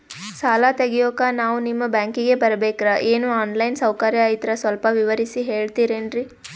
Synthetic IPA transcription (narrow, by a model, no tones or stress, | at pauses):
saːlat̪eɡɛjoːkanaːʋunimːɐbaːŋkiɡe̞bɐɾɐbeːkɾɐʔeːnuaːnlɐjnsɐwkɐɾjɐjit̪ɐɾɐsʋɐlpɐʋiʋɐɾisiɦeːɭt̪iːɾeːnɾi